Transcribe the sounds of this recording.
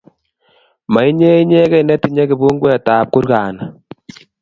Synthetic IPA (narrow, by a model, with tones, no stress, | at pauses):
ma˨i˦ɲe˦i˦ɲe˦kɛ˦˨jnɛ˦ti˨ɲe˦ki˨bu˦ŋɡwe˦˨taː˨p̚ku˦ɾkaː˨na˨